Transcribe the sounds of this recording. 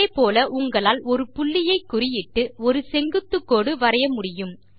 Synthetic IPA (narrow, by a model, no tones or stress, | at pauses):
epoːlɐʔʊŋɡɐɭaːlɔɾɯpʊɭːɪjɐɪkːʊrɪjɪʈːɯɔɾɯsɛŋɡɯt̪ːɯkːoːɽɯʋɐɾɐjɐmʊɽɪjɯm